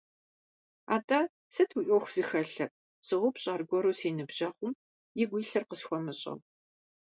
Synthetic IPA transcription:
a̰ːtʼaː | sɨtʰuʔɔxʷz̥ɨxɐɬɐr | sɨʁʷʊpʰɕʼaːrɡʷɔɾoːseːnɨbʒɐχʷʊm | jɪɡʷiːɬɐrqəsxʷɔmɨɕʼɐ̰w

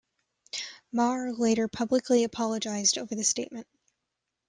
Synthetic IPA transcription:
mɑɹleɪɾə˞pʰʌblɨkʰliɨpʰɑlˠəd͡ʒaɪzdoʊvə˞ðɨsteɪt̚mɨ̃nt̚

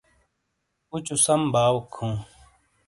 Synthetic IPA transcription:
ut͡ɕusɐmbʱaːwkʰːũː

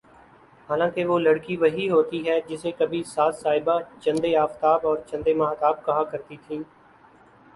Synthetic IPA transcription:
ɦaːlãːkeʋoːlɐɽkiʋɐɦiɦoːt̪iɦɛːd͡ʒɪsekɐbʱisaːt̪saːɦɪbat͡ʃɐ̃nd̪eaːft̪aːbɔːɾt͡ʃɐ̃nd̪emãːɦt̪aːb̚kɐɦakɐɾt̪it̪ʰĩː

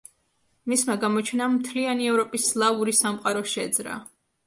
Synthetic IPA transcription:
mismaɡamɔt͡ʃʰɛnamt̪ʰlianiɛvɾɔpʼislˠauɾisamqʼaɾɔʃɛd̪zɾa̰

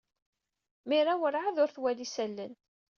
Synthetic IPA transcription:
miɾawəɾʕaðʊɾθwælisælːən

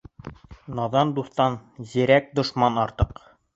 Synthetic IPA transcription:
nɑðɑnd̪uθt̪ɑnziɾæk̚d̪ŏʃmɑnɑɾt̪ɤq

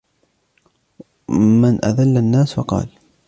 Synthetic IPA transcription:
mɪnʔa̰ðalːanːaːsfɑqɑ̰ːl

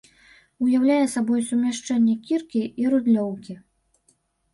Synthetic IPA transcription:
ujawlʲajɛsabɔjsumʲaʂt͡ʂɛnʲːɛkʲirkʲiiɾud̪lʲɔwkʲi

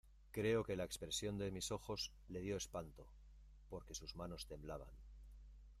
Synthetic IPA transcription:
kɾe̞o̞ke̞lae̞kspɾe̞sjo̞nd̪e̞miso̞xo̞z | le̞ð̞jo̞e̞spant̪o̞ | po̞ɾke̞suzmano̞st̪e̞mblaβa̰n

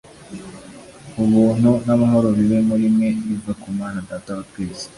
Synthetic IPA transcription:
uβuːn̥hunamaɦo̞ɾoɾiβemuɾimŋe̞iɡakumaːnadaːtaβatweːze̥

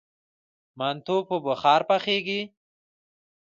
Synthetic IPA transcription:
mant̪opəbəxɑːɾpaxeːɡi

